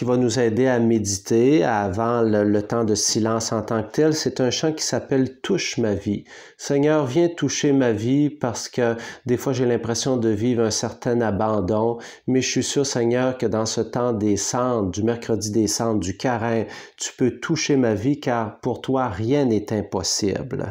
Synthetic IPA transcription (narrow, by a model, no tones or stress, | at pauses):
kivanuzɛːd̪eamed̪it̪ʰeavɑ̃lələt̪ɑ̃d̪əsilɑ̃sɑ̃t̪ɑ̃k̚t̪ɛlsɛt̪œ̃ʃɑ̃kʲi̥sapɛlt̪uʃmavi | sɛɲœːʁvjɛ̃t̪uʃemavipaʁsə̥kʲəd̪efwaʒelɛ̃pʁesjɔ̃d̪əviːvʁɛ̃sɛʁt̪ɛ̃nabɑ̃d̪ɔ̃ | mɛʒəsɥisyːʁsɛɲœːʁkəd̪ɑ̃sət̪ɑ̃d̪esɑ̃d̪ymɛʁkʁəd̪id̪esɑ̃bd̪ykʲaʁɛ̃t̪y̥pøt̪ʰuʃemavikaːʁpuʁt̪waʁjɛ̃nɛt̪ɛ̃pɔsḭbl